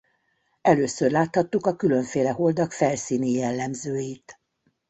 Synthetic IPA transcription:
ɛløːsørlaːt̪hɒt̪ːukɒkylø̞ɱfeːlɛɦo̞ld̪ɒkfɛlsiːnijɛlːɛmzøːjiːt̪

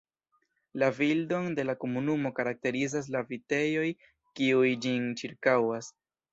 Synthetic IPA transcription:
lavildo̞nde̞lako̞munumo̞kaɾak̚te̞ɾizas̬lavite̞jo̞j | kiujd͡ʒint͡ʃiɾkawas

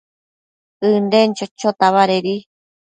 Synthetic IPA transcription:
ɨndent͡ʃot͡ʃot̪aβaɾeɾi

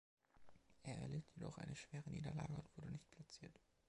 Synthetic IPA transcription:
ʔeːɐʔɛ̰ɐleːtʰjedɔ̰χʔa̰ɪnəʃv̥eːʁəniːdɐla̰ːɡəʊntv̥ʊɐdənɪçt̚pʰl̥at͡siːɐt

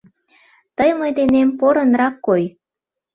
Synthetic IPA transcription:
t̪əjməjd̪enempoɾənrɑkːoj

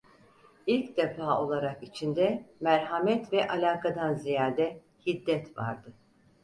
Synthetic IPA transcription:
ilʲcd̪efaːo̞lˠaɾakit͡ʃʰind̪ɛmæɾɦamɛt̪vɛʔalʲaːkʰad̪anzijaːd̪ɛ | hid̪ːɛt̪va̰ɾd̪ɯ

